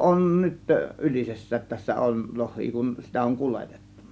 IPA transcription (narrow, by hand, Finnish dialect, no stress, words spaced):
on nyt ylisesːæːt tæsːæ on lohˑiː kun sitæ oŋ kulete̥tːu̥n̥ɑ̥